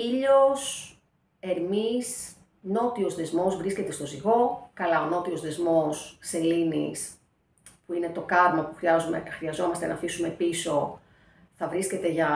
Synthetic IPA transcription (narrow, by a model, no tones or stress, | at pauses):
iʎos | e̞ɾmis | no̞t̪io̞zðe̞zmo̞zvɾisce̞t̪e̞st̪oziɣo̞kɐlɐono̞t̪io̞zðe̞zmo̞sːe̞linḭs | puine̞t̪o̞kɐɾmɐpuxɾiɐzumḛxɾiɐzo̞mɐst̪e̞nɐːfisume̞piso̞ | θɐvɾisce̞t̪e̞ʝɐ